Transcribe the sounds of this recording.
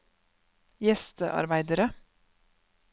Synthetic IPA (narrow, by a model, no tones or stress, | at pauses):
jɛst̪əʔɑ̰ɾbæɪd̪əɾə